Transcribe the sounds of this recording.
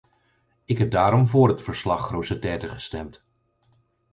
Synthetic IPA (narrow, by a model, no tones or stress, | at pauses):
ɪkɦɛb̚daːɾɔmvʊːɹɦətfəɹslɑχrowsətɛːtəχəstɛmt